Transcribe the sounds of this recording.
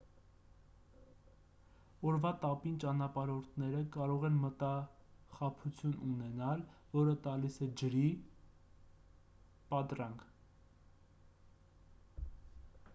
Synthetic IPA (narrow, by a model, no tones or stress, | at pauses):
ɔɾvɑt̪ɑpint͡ʃɑnɑpɑɾɔɾt̪ʰnɛɾəkɑɾɔʁɛnmət̪ɑχɑpʰut͡sʰjununɛnɑlvɔɾət̪ɑlisɛd͡ʒəɾi | pɑt̪ɾɑŋkʰ